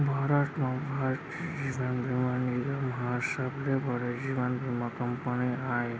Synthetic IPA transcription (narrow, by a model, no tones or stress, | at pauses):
bʱaɾaʈmãbʱaʈ | d͡ʒiʋanbʱimaniɾamɦasablebʱɔɾed͡ʒiʋanbʱimakəmpəniae